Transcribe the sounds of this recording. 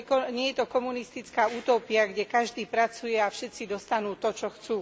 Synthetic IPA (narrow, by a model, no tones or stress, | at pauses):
kɔɲɪɛjɛt̪ɔkɔmunist̪it͡skaːuːt̪ɔːpɪaɡɟɛkaʒd̪iːpɾat͡sujɛafʃɛt̪t͡sid̪ɔst̪anuːt̪ɔt͡ʃɔxt͡suː